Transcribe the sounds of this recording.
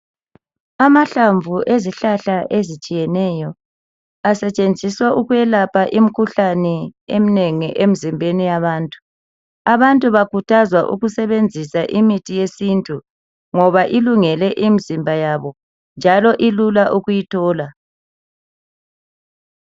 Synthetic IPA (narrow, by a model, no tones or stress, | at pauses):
amaɬaɱvʱuʔeziɬaɬaʔezit͡ʃʼijɛnɛjɔ | asɛt͡ʃʼend͡zʱiswaʔuɣujɛlapʰaʔim̩kʰuɬanɛemineŋiʔem̩zimbʱenijaβaːntʼu | aβantʼuβakutʰazwaʔṵɣusɛβend͡zʱisaʔimitʰijesintʼu | ŋɔβaʔiluŋɛlɛʔimizimbʱajaβɔ | nd͡ʒʱalɔʔilulaʔuɣujitʰɔːla